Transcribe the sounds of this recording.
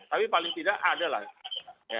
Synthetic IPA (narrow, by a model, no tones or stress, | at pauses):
t̪apipalɪŋt̪idaʔadala̰hja